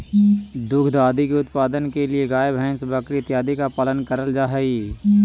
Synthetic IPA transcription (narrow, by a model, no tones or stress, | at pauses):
d̪ʊkʰd̪aːd̪ikeʊt̪paːd̪ənkelieɡaːebʱɛ̃ːnsbəkɾiɪt̪jaːd̪ikapaːlənkəɾəld͡ʒaːɦɛi